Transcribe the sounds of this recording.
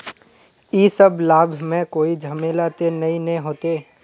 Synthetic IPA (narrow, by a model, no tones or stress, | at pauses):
iːsəblaːbʱmẽkoːid͡ʒʱɐmeːlat̪enɐɦĩnɐɦĩɦoːt̪eː